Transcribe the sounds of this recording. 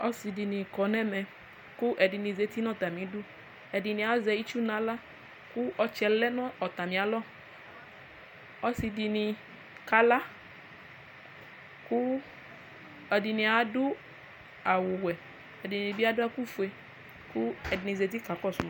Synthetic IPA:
ɔ˦si˧di˨nĩ˨kɔ˨nɛ˦mɛ˨ | kʊ˦ʔɛ˨di˨nĩ˨ze˨˦t̪i˦nɔ̃˦˨t̪a˨mĩ˨˦dʊ˦ | ɛ˨di˨nĩ˨a˨˦zɛ˧i˦t͡ʃu˦nã˨˦la˦ | kʊ˦ʔɔ˧t͡ʃɛ˨lɛ˦nɔ̃˦ɔ˨t̪a˨mĩ˨a˨lɔ˦˨ | ɔ˦si˧di˧nĩ˨˧ | ka˨˦la˦ | kʊ˦ | ɛ˨di˨nĩ˨a˨˦dʊ˦ | a˨wʊ˨wɛ˨ | ɛ˨di˨nĩ˨bi˦a˦dʊ˦a˦ku˦˨fu˨e˧ | kʊ˦ɛ˨di˨nĩ˨ze˨t̪̬i˦ka˨˦kɔ˦˨sṵ˨m˨˦

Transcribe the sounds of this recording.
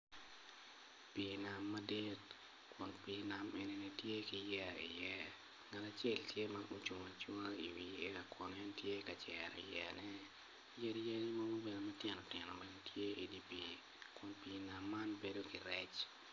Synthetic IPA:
pina˨mːa˦di˦t | kʊ˨npina˨me˦ni˦nɛ˦tje˦ki˦jɛ˨ḭ˨jɛ˦ | ŋa˨ta˨t͡ʃe˦ltje˦manʔu˦t͡ʃu˨ma˨t͡ʃwa˦ḭ˨wi˨e˦ka˨kʰɔ˨nɛ˦ntje˦ka˨t͡ʃɛɾḭ˨jɛ̰˨nɛ˦ | je˦djɛ˦ni˦mɔ˦ɡo˦be˨no˨mɛ˦tjɛ˨nɔ˨tɪ˨nɔ˨be˨no˦tʰje˦i˨di˦pi˨ | kʊ˨npi˨na˨mːa˦nbe˦do˦ki˨ɾɛ˦t͡ʃ

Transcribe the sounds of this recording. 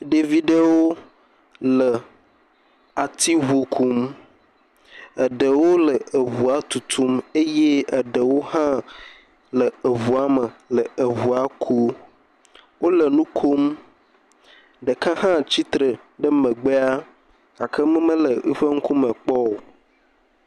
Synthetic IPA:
ɖe˨vi˦ɖə˦wo˦ | lə˨ | a˨t̪i˦ɦo˨kʰu˦m | ə˨ɖə˨wo˦lə˨ə˨βu˨a˨t̪u˨t̪ʰu˦me˦je˦ə˨ɖə˨wo˦ɦã˦ | lə˨ə˨βu˨a˨mə˨lə˨ə˨vu˨a˨kʰu˦ | wo˦lə˨nũ˦kʰo˦m | ɖə˨kã˦hã˦t͡ɕi˦t̪ɾə˨ | ɖə˦mə̃˨ɡ͡be˦a˦ | ka˨kʰə˦mə̃˦mə̃˦lə˨ə̰˦ɸə˦ŋ̩˦ku˦mə˨k͡pɔ˦wo˨

